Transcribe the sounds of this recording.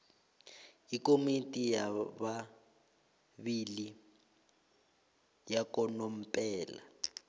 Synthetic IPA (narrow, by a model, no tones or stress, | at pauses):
ikomitʼijaβa | βili | jakɔnom̩pʼɛːla̰